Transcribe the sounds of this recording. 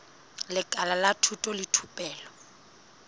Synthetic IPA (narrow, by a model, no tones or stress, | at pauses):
lɪkʼalalatʰutʼɔlɪtʰupʼɛːlɔ